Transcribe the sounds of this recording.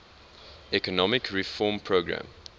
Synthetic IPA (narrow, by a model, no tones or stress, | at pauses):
ɛkɔnɔmɪkʰɹifɔːmpʰɹoɡɹã̰m